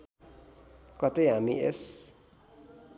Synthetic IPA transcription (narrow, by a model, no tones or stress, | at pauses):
kʌt̪eɦamies